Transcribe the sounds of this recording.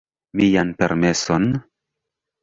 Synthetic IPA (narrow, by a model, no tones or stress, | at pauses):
mijanpe̞ɾme̞son